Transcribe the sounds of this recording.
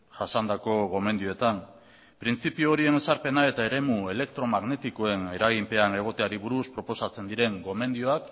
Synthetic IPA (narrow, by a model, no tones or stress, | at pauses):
ʝasand̪ako̞ɣo̞me̞nd̪ioet̪am | pɾint͡sipiooɾie̞ne̞saɾpe̞nae̞t̪ae̞ɾe̞mue̞le̞kt̪ɾo̞maɣne̞t̪iko̞e̞ne̞ɾaɣimpe̞ane̞ɣ̞o̞t̪eaɾiβuɾuspɾo̞po̞sat͡se̞nd̪iɾe̞ŋɡo̞me̞nd̪ioak